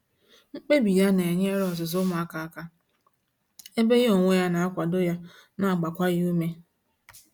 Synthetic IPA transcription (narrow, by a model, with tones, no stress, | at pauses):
ŋ͡m̩˦k͡pe˦bi˨ja˦ne˨ɲ˦e˦ɾɔ˨zʊ˨zʊ˦mʊ˨a˦ka˨a˦ka˦ | e˦be˦ɣo˨ŋʷe˦ja˦na˨a˦kʷa˨do˦ja˦ | na˨a˨ɡ͡ba˨kʷa˦ɣu˦me˦